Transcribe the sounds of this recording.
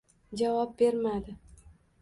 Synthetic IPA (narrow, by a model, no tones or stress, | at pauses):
d͡ʒavɒp̚be̞ɾmad̪ɪ